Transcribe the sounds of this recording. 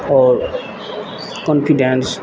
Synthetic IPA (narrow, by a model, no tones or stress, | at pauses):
ɔɾ | kɔ̃npʰiɖɛ̃ns